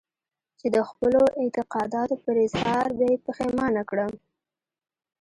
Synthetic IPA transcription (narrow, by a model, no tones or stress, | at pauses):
t͡ʃed̪əxpəloʔɪnt̪ɪqɑd̪ɑt̪opəɾɪzhɑɾbjɑjpəxemɑnakɽəm